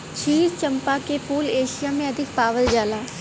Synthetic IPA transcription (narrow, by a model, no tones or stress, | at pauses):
t͡ʃʰiːɾt͡ʃəmpaːkepuːleːʃɪjaːmẽəd̪ʱɪk̚paːʋəld͡ʒaːlaː